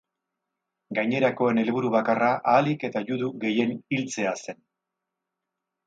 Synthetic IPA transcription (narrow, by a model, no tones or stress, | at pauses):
ɡajɲe̞ɾako̞e̞ne̞lβ̞uɾuβakaraʔaːlike̞t̪aʝuðuɣe̞je̞nilt͡se̞ase̞n